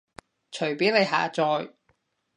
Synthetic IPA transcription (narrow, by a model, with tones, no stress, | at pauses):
t͡ʃʰɵ˨˩ɥpiː˨˥wne˨˧jɦa̰ː˨˧t͡sɔː˧j